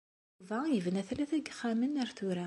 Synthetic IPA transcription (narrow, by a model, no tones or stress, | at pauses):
væjəvnæθlæθæɡχæmənæɾθʊɾæ